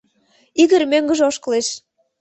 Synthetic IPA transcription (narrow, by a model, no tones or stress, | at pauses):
iɣə̆ɾmøŋɡə̆ʒoʃkə̆leʃ